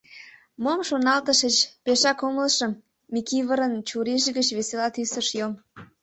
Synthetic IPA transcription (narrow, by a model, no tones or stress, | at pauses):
momʃonɑlt̪əʃət͡ɕpeʃɑkoməlʃəm | mikiβəɾənt͡ɕuɾeʒɣət͡ɕβeselɑt̪ysəʃjom